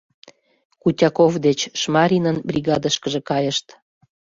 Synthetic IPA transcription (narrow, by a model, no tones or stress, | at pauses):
kutʲɑkovd̪et͡ɕʃmɑɾʲinənbrʲiɣɑd̪əʃkəʒĕkɑjəʃt̪